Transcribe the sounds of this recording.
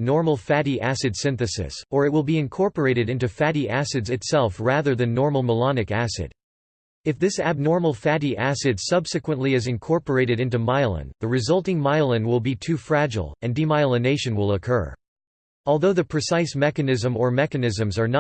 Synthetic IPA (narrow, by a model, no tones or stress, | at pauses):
nɔɹml̩ˠfæɾiʔæsɨd̥sɪ̃nθɨsɨ̰sə˞ɨt̚wəlˠbiɨ̃nkʰɔɹpə˞eɪɾɨɾɪ̃ntʉfæɾiʔæsɨdzɨtsɛlˠfɹæðə˞ðɨ̃nːɔɹml̩ˠməlɑnɨkæsɨ̰ɾ | ɨfðɪsæb̚nɔɹml̩ˠfæɾiʔæsɨdsʌbsɨkwə̃nʔliɨzɨ̃nkʰɔɹpə˞eɪɾɨɾɪ̃ntʉmaɪlˠə̰̃nðɨɹɨzʌlˠtɪ̃ŋmaɪlˠə̃nwɪlˠbitʰʉfɹæd͡ʒl̩ˠɨ̃ndimaɪlˠəneɪʃɨ̃nwɪlˠəkʰɜ̰˞ | ɔlˠðoʊðɨpʰɹ̥ɨsaɪsmɛkɨnɪzə̃mə˞mɛkɨnɪzɨ̃mzə˞nə